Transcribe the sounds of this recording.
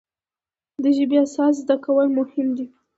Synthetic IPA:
d̪əʒəbiasɑs̬zd̪akawəlmʊhɪmd̪i

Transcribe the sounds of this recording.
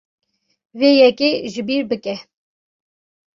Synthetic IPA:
veːjɛkeːʒɨbiːɾbɨkɛ

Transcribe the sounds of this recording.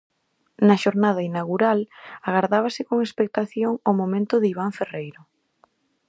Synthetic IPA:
nɐʃoɾnaðɐinaɣuɾalaɣaɾðaβ̞ɐsɪkoŋespek̚t̪aθjoŋomomẽnt̪ʊðiβ̞aɱferejɾʊ

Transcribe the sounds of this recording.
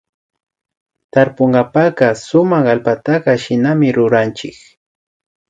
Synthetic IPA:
t̪aɾpoɴɢɑpɑɢɑsʊmɑχalpat̪ɑɢɑʃɪnamɪɾʊɾant͡ʃɪk

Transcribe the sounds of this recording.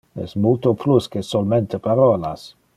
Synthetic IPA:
ɛ̰smult̪opluskesolment̪epaɾɔːlas

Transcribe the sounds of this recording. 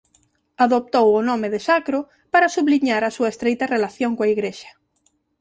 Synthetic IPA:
aðop̚t̪owʊnɔmɪðɪsakɾo | paɾasuβliɲaɾasuɐest̪ɾejt̪ɐrelaθjoŋkoaiɣɾeʃɐ̥

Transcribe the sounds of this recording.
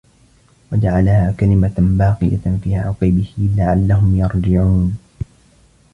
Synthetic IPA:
wad͡ʒaʕalhaːkalɪmabɑːqɨja̰fiːʕʊqibɪhɪlaʕalːaɦʊmjɑɾˤd͡ʒɪʕuːn

